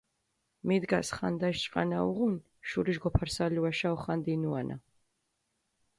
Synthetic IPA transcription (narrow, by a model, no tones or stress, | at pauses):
mid̪ɡasχa̰nd̪aʃt͡ʃʼqʼa̰naṵʁun | ʃuɾiʒɡɔpʰaɾsaliwaʃaɔχand̪inuanʔa̰